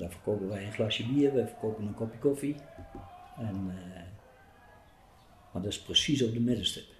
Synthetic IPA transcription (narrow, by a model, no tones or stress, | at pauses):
dɔfərkʰoːkəʋɛjənxlasjəbiərʋɛjfərkʰoːkənənkopikofi | ɛn | madɔɪsprəsisofdəmɪdəstə